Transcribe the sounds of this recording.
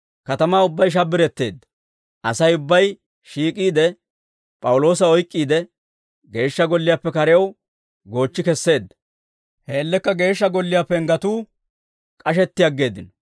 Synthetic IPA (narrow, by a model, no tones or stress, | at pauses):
kɐt̪ɐmaːʊbːɐjʃ̬ɐbːɪɾɛt̪ːe̞̰ːd̪ːɐ̥ | ʔɐsɐjʊbːɐj | ʃiːkʼiːd̪ɛ | pʼɐwʊlo̞ːs̬ɐɔjkʼːiːd̪ɛ | ɡe̞ːʃːɐɡɔlːɪjapːɛkɐɾɛjɐw | ɡo̞ːt͡ʃːɪkɛsːe̞ːd̪ːɐ | heːlːɛkːɐɡe̞ːʃːɐɡɔlːɪjaːpːɛŋɡɐt̪uː | kʼɐʃ̬ɛt̪ːɪjɐɡːe̞ːd̪ːɪnɔ